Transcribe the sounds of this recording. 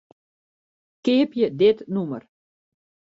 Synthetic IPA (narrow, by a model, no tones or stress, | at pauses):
kɪəpjədɪtnumər